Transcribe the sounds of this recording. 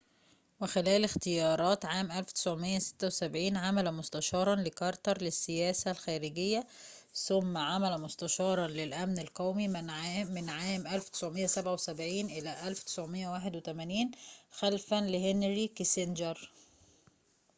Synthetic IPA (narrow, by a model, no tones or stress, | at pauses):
wɪxɪlæːlɪxt̪ɪjɑːɾˤɑːt̪ʕaːmʔælft̪ɪ̥sʕomejːæsɪ̥t̪ːæwsæbʕiːnʕamælæmʊst̪æʃɑːɾˤɑnlɪkɑɾˤt̪ɑɾˤlɪsːɪjæːsælxæːɾɪɡɪjːæ | sʊmːæʕamælæmʊst̪ɑʃɑːɾˤɑnlɪlʔæmnalqæwmimɪnʕaːmʔælft̪ɪ̥sʕomejːæsæbʕawesæbʕiːnʔɪlæːʔælft̪ɪ̥sʕomejːæwaːħed̪wet̪æmæːniːnxælfænlɪhenɾikɪsɪnd͡ʒɑɾˤ